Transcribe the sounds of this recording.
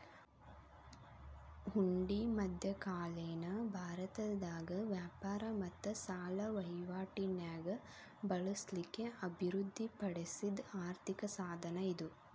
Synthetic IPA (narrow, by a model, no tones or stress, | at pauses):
huɳɖimɐd̪ʱjɐkaːlejnɐbʱaːɾɐt̪ɐd̪aːɡɐʋjaːpaːɾɐmɐt̪ːɐsaːlɐʋɐjʋaːʈinjaːɡɐ | bɐɭɐslikːe̞ʔɐbʱiɾud̪ʱːipɐɽesid̪aːɾt̪ʰikɐsaːd̪ʱɐnɐid̪u